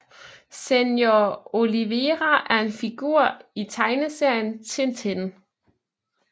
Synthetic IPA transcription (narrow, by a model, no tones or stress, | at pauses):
senjoo̝liʋeʁæʔæɐe̝nfiɡ̥uɐ̰it͡sʰɑ̈ɪnəse̝ɐ̰jənt͡sʰe̝nt͡sʰen